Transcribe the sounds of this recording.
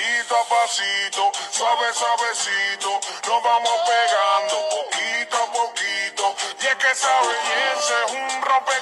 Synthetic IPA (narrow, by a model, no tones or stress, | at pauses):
it̪apasit̪osaβesaβesit̪onõβamospeɣãnd̪opokit̪oapokit̪oɛkesaβeβjeseũrope